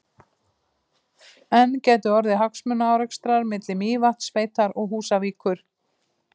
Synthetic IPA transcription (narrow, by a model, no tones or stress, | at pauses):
ɛncɛːt̪ʏɔɾðɪɦaksmʏnaawɾɛkst̪ɾaɾmɪt̪lɪmiːvat̪sveːjt̪aɾɔɣɦuːsaviːkʏɾ̥